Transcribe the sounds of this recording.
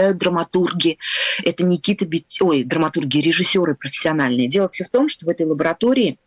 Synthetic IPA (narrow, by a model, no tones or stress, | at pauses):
æjʊt̪̚d̪rəmɐt̪urɡʲɪɛt̪ənʲɪkʲit̪əbʲɪtʲːo̞jd̪rəmɐt̪urɡʲɪəɾʲɪʐɨsʲːo̞ɾɨpɾəfʲɪ̥sʲːɪɐnalʲnɨjədʲe̞lˠəfsʲɵft̪o̞mʂt̪ovɛt̪əjlˠəbəɾɐt̪o̞ɾʲɪː